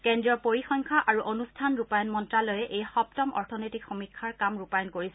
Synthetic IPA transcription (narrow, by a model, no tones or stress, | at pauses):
kɛndɹijɔpoɹixɔŋkʰaʔaɹuʔonustʰanɹupajɔnmɔntɹalɔjɛʔejxɔptɔmɔ̰ɹtʰɔnojtikxomikʰːaɹkamɹupajɔnkoɹisɛ